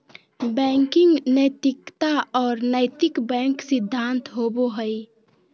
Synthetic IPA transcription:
bɛŋkɪŋɡnət̪ikt̪aɔːɾnəjt̪ikbɛ̃ŋksid̪ʱːant̪ɦoboɦəj

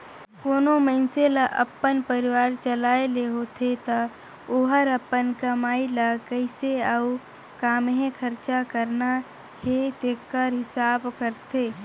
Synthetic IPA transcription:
koːnoməɪnseləʔɐ̰pːənpəɾɪʋaːɾt͡ʃəlaːeleɦoːt̪ʰet̪a | oːɦəɾɐpːənkəmaːiləkəɪseau | kaːmɦẽkʰəɾt͡ʃakəɾna | het̪ekəɾɦɪsaːbkəɾt̪ʰeː

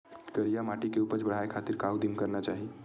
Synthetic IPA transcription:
kəɾijamaʈikeupəɾt͡ʃbəɽ̤aekʰat̪iɾkaʋud̪imkəɾnat͡ʃaɦi

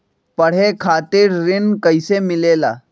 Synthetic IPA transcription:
pɐɽ̤ekʰaːt̪ɪɾːɪnkɐɪsemɪleːlaː

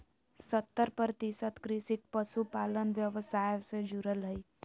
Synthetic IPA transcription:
sət̪ːəɾpəɾət̪isət̪kɾisik̚pəsupalənʋjəʋəsajsẽd͡ʒuɾəlɦəi

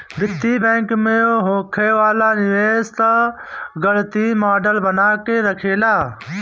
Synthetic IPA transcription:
bɪt̪ːiːbɛ̃ːŋkmẽoɦoːkʰeːʋaːlaːnɪʋeːst̪aɡəlt̪iːmaːɖəlbənaːkeɾəkʰeːlaː

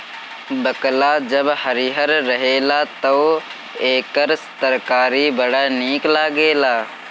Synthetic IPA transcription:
bəklaːd͡ʒəbhɐɾiɦəɾːɐɦeːlaːt̪oː | eːkəɾst̪əɾkaːɾibəɽaniːklaːɡeːlaː

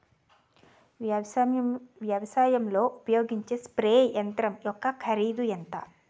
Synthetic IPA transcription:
ʋjɐʋɐsaːjɐmlo̞ːʔupɐjo̞ːɡiɲt͡ʃeːspɾeːjɐnt̪ɾɐmjɔkːɐkʰɐɾiːd̪ujɐnt̪aː

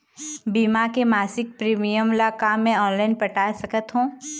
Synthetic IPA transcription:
biːmakemaːsɪk̚pɾiːmijəmlakamɛ̃ɔːnlaːɪnpəʈaːsɐkət̪ɦũː

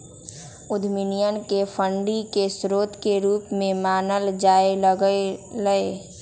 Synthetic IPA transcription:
ʊd̪ʱminijənkepʰəɳɖikesɾoːt̪keɾuːpmẽmaːnəld͡ʒaːeɡləe

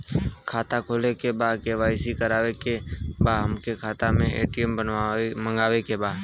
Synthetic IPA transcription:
kʰaːt̪akʰoːlekebaːd̪keʋaːɪsikəɾaːwekebaːɦəmkekʰaːt̪amẽḛːʈijəməmə̃ŋɡaːwekebaːd̪

